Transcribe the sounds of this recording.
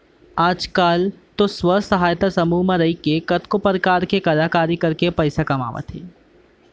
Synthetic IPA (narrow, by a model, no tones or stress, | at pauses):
aːd͡ʒkaːlt̪oswəsɐɦaːjt̪asɐmumãɾɐikekɐt̪kopəɾkaːɾkekɐlaːkaːɾikɐɾkepɛɪsakɐma̰ːʋa̰t̪ɦḛː